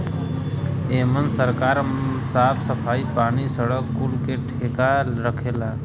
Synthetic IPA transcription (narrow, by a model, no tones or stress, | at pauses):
eːmənsəɾkaːɾsaːpʰsəpʰaːipaːñisəɽəkːulkeʈʰeːkaɾəkʰeːla